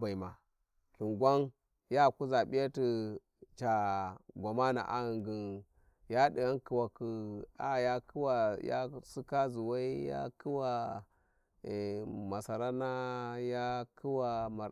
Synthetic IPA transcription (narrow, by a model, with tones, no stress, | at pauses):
ba˨i˨ma˨ | ki˨ŋɡʷa˦n | ja˦˨ku˦za˨ɓi˦ja˦ti˨ | t͡ʃa˨ɡʷa˨ma˦na̰˨ʔa̰˦ɣi˨ŋɡi˨n | ja˦di˨ja˦nki˨wa˨ku˨a˨˦˨ja˦ki˦wa˨ja̰˦si˦ka˦zu˨wa˦i˦ja̰˦kʰi˦wa˨ | ma˨sa˨ɾa˦na˦ja˦kʰi˦wa˨ma˨